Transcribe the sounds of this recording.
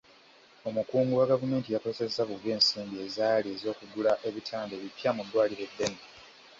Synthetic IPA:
o̞mukuːŋɡuwaɡavume̞ːntijaposezaβuɡe̞ːnsiːmbie̞zaːliezo̞ːkuɡulaʔe̞βitʰaːnde̞ːβipjamudːwaːliɾe̞dːe̞ne

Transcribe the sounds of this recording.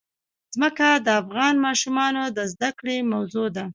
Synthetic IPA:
z̥məkad̪əafɣɑnmɑʃumɑnod̪əzd̪akɽemawzod̪a

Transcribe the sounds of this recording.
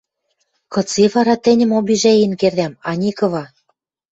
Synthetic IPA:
kɤ̆t͡siβɑɾɑt̪ɘ̆nʲə̆mobiʒeinkerd̪æmɑnʲikɤ̆βɑ

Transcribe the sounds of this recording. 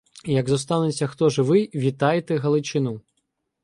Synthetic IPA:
jɐɡzɔst̪ɑnet͡sʲːɐxt̪ɔʒɪʋɪʋʲit̪ɑjet̪ɛɦɐlˠɪt͡ʃɪnu

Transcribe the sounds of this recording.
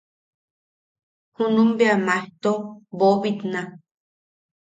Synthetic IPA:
hunũmbeamaht̪obobit̪na

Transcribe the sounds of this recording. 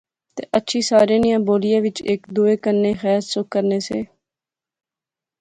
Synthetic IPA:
t̪ḛːʔətːʃʰiːsaːɾẽːnɪjãːboːlɪjãːʋɪt͡ʃeːkd̪uːeːkənːeːxɛːssʊkːəɾneːseː

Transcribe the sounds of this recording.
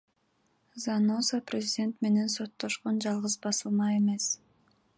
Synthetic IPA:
zanozaprʲɪzʲidʲe̞nt̪me̞ne̞nso̞t̪ːoʃqond͡ʒɑlˠʁɯzbɑsɯlˠmɑe̞me̞s

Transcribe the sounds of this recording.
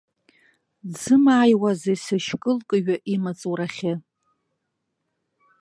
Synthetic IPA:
d͡zɨmaːjwazesɨʃkʼɨlkʼɨɥᶣaʔimat͡sʼuɾaχʲɪ

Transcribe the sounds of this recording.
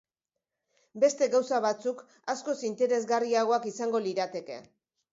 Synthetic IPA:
be̞st̪e̞ɣawsaβat͡suk | asko̞sint̪e̞ɾe̞zɣariaɣ̞o̞akisaŋɡo̞liɾat̪e̞ke̞̰

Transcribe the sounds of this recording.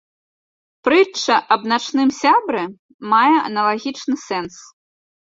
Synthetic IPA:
pɾɨt͡ʂːɐʔɐbnat͡ʂnɨmsʲabɾɛ | majɛɐ̰nɐlˠaɣʲit͡ʂnɨsɛns

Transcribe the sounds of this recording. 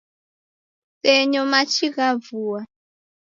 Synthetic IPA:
sɛɲɔmat͡ʃiɣavuːwa

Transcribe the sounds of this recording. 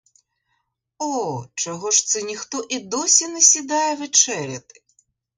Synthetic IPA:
ɔt͡ʃɔɦɔʃt̪sɛnʲixt̪ɔʔid̪ɔsʲinɛsʲid̪ɑjɛʋet͡ʃɛɾʲɐt̪ɪ̥

